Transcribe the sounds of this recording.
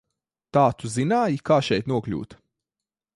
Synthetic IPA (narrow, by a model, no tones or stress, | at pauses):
t̪aːt̪uzinaːjikaːʃɛjt̪nuɔklʲṵːt̪